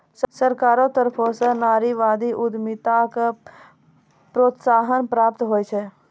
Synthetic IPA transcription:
ssəɾkaːɾõt̪əɾpʰosənaːɾiʋaːd̪iʔʊd̪mɪt̪ak | pɾoːt̪saːɦənpɾaːp̚t̪ɦoːet͡ʃʰɛ

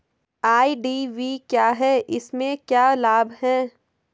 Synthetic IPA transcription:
aːiɖiːʋiːkjaːɦɛːʔɪsmẽkjaːlaːbʱɦɛ̃ː

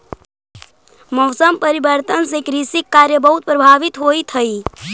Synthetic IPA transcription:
mɔːsəmpəɾibəɾt̪ənsekɾisikːaːɾjəbəɦut̪̚pɾəbʱaːʋit̪ɦoit̪ʰəi

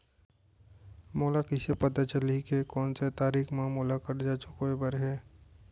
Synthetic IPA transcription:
moːlakɪsepɐt̪at͡ʃəlikekɔːnset̪aːɾiːxmãmoːlakɐɾd͡ʒaːt͡ʃʊkoebəɾɦɛː

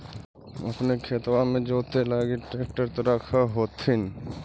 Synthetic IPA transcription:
ɐ̰pnekʰeːt̪wãmẽd͡ʒoːt̪elaːɡeʈɾeːk̚ʈəɾt̪oɾakʰaɦoːt̪ɪn

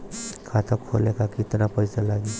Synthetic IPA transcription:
kʰat̪ʰəkʰo̰lekakɪt̪napəɪsalaɡi

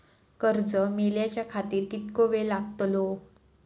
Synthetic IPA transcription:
kəɾd͡zəmiljat͡ɕjakʰat̪iːɾkit̪koʋelaɡ̚t̪lo

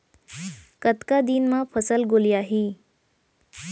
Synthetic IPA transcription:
kət̪kad̪inmãpʰəsəlɡolijaɦi

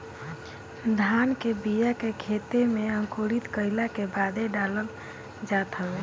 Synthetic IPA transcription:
d̪ʱankebijakekʰet̪emeəŋkoɽit̪kəɪlakebad̪ʱeɖaləl | d͡ʒat̪ɦəbe

